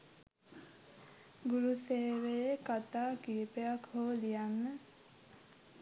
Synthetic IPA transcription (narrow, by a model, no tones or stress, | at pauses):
ɡuɾuseːʋejekat̪aːkiːpejakhoːlijanːə